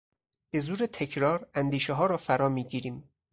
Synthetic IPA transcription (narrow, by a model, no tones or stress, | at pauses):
b̥e̞zuːɾet̪ʰe̞cʰɾɒːɾænd̪iːʃeɦɒːɾɒːfæɾɒːmiːɟiːɾiːm